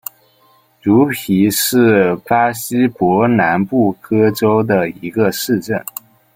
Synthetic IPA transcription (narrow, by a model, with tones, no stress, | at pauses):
ʈ͡ʂu˧˥pʰi˧˥ʂɻ̩˥˩pa˥ɕi˥pwɔ˧˥na˧˥npu˥˩kɤ˥ʈ͡ʂo˥ʊd̪ə˨i˧˥ɡə˧ʂɻ̩˥˧ʈ͡ʂə˥˩n